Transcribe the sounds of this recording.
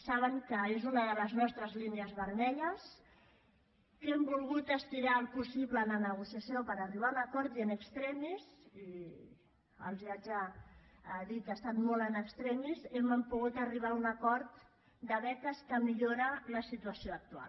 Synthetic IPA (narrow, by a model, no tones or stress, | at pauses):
saβ̞əŋkəezunəðələznɔst̪ɾəzlineəzβəɾmɛʎəs | kɛmbulˠɣut̪əst̪iɾaːlˠpusiβləːnənəɣ̞usiəsijopəɾəriβ̞aunəkɔɾt̪iənəkst̪ɾɛmizi | ə̰lˠziad͡ʒa | ðit̪əst̪at̪molənəkst̪ɾɛmizeməmpuɣut̪əriβ̞aunəkɔɾt̪ | d̪əβɛt̪əskəmiʎoɾələsit̪uəsioək̚t̪ua̰l